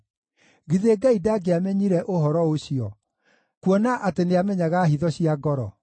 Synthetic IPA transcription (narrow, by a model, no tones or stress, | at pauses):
ɣiðeɡaidaɡeamɛɲiɾɛʔoɦɔɾɔoɕiɔ | kuɔnaʔateneamɛɲaɣaɦiðɔɕiaɡɔɾɔ